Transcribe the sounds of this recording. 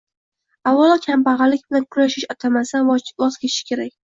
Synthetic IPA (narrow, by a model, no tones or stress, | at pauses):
awːɒlˠɒkʲʰampɑʁɑlɪkʲbɪlankʰʊɾaʃɪʃɒt̪ʰamasanvɒzkʲeʃɪ̥kʲʰe̞ɾakʲ